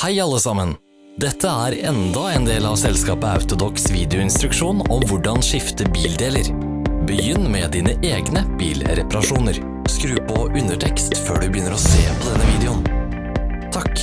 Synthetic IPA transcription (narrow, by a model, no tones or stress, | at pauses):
hæɪɑlːəsɑmən | d̪ɛt̪ʰːəæːɾɛnd̪ɑeːnd̪eːlɑʋsɛlskɑːpəɑ̰ʉt̪ʊd̪ɔksʋiːd̪ɛʊɪnst̪ɾʉkʂuːnɔmʋʊɖɑnʂɪft̪əbiːld̪eːləɾ | bəjʏnːmɛd̪iːnəʔeːɡnəb̥ḭːlɾɛpɑɾɑʂuːnəɾ | skɾʉːpʰɔʔʉnəʈʰɛkst̪fø̰ːɖʉbəjʏnːəɾɔseːpʰɔd̪ɛnːəʋiːd̪ɛʊn | t̪ʰɑk